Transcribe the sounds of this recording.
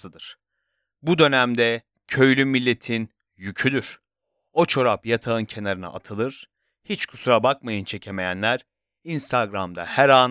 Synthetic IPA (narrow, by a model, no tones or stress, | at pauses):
ɯd̪ɯɾ̥ | bud̪ø̞næmd̪ɛ | cʰø̞jlʲymːilʲːe̞t̪ʰin | jycʰyd̪yɾ̥ | o̞t͡ʃʰo̞ɾapjat̪ʰaɯncʰe̞naɾɯna̰ʔa̰t̪ʰɯlˠɯɾ̥ | hit͡ʃkʰu̥suɾabakmajɯnt͡ʃʰe̞cʰe̞me̞jænlʲæɾ̥ | inst̪ʰaɡɾamd̪a̰hæɾan